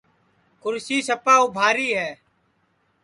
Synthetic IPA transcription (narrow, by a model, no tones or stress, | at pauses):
kʊɾsiːsəpaːuːbʱaːɾiːɦɛː